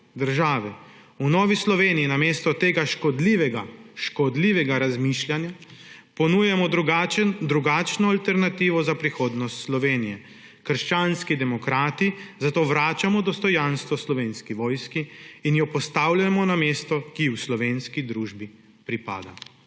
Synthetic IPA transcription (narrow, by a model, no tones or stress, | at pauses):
d̪əɾʒaːʋɛ | unɔːʋislɔʋeːnijinameːst̪ɔt̪eːɡaʃkɔd̪liʋɛɡaʃkɔd̪liːʋɛɡaɾazmiːʃlʲjanja | pɔnuːjɛmɔd̪ɾad̪ɾuɡaːt͡ʃnɔalt̪ɛɾnat̪iːʋɔzapɾixoːd̪nɔst̪slɔʋeːnijɛ | kəɾʃt͡ʃaːnskid̪ɛmɔkɾaːt̪izat̪oːʋɾaːt͡ʃamɔd̪ɔst̪ɔjanst̪ʋɔslɔʋeːnskiʋɔːjskiːnjɔpɔst̪awlamɔnameːst̪ɔkiwslɔʋeːnskid̪ɾuːʒbi | pɾipa̰ːd̪a̰